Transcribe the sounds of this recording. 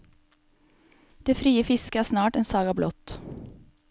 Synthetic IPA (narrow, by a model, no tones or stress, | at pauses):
d̪̥eːfɾiːəfɪskəæːsnɑːʈɛːnsɑːɡɑːblɔt̪